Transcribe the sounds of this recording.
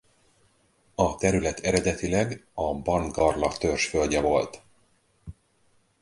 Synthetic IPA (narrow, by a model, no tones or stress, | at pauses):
ɒt̪ɛɾylɛt̪ʰɛɾɛd̪ɛt̪ilɛɡɒbɒnɡɒrlɒt̪ørʃfølɟɛvo̞lt̪